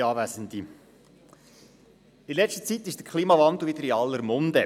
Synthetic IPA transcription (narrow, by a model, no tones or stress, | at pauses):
ɑːʋæsənt̪i | ɪnlɛʃtə̥t͡sit̪ɪʃd̥əkʰχliːmɑvɑnd̪l̩ˠʋɪd̪əɾɪɑlːəɾmɔnd̪ə